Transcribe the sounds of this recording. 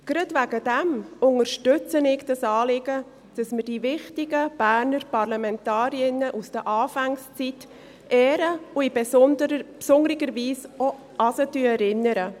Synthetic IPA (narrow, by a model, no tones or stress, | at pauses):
ɡ̥ɾɑdvæɡədɛmʊŋəɾʃtʏt͡sənɪɡd̥ɑsɑːlɪɡə | d̥ɑsməɾdivɪχtɪɡəb̥æːɾnəɾpɑɾlɑmɛntɑːɾiɪnəʔusd̥əʔɑːfɛŋst͡sit | ʔɛːɾəuibɛsndəpsʊŋəɾɪɡəɾviːsɔ | ɑsətyɛɾɪnːəɾə